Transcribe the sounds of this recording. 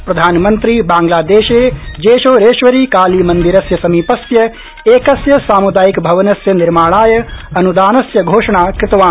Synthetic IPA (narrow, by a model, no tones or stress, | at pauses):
pɾɐd̪ʱaːnmɐnt̪ɾibaːŋɡlaːd̪eːʃeːd͡ʒeːʃoːɾeːʃʋɐɾiːkaːlimɐnd̪iɾɐsjɐsɐmiːpɐsjɐ | eːkɐsjɐsaːmud̪aːjikbʱɐʋɐnɐsjɐniɾmaːɭaːjɐɐnud̪aːnɐsjɐɡʱoːʂɐɳaːkɾɪt̪ɐʋaː